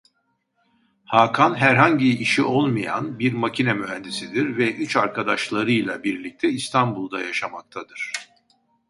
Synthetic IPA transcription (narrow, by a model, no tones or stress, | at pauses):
haːkʰanɦæɾɦaɲɟiːʃiʔo̞lˠmɯja̰nbiɾmacʰinɛmyɦænd̪isid̪iɾvɛʔyt͡ʃaɾkʰad̪aʃlˠaɾɯjlˠabiɾlʲic̚t̪ʰɛist̪ʰanbulˠd̪a̰jaʃamak̚t̪ʰad̪ɯɾ̥